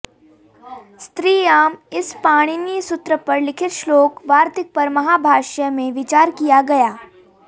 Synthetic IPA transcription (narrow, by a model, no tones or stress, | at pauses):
st̪ɾiːaːmɪspaːɽ̃inisʊt̪ɾəpɐɾlɪkʰɪt̪ʃloːkʋaːɾt̪ɪk̚pɐɾmɐɦaːbʱaːʃəmẽʋɪt͡ʃaːɾkijaɡɐjaː